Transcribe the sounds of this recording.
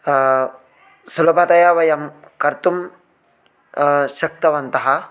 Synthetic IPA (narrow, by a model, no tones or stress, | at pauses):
sulɐbʱɐt̪ɐjaʋɐjɐm | kɐɾt̪um | ʃɐk̚t̪ɐʋɐnt̪ɐɦɐ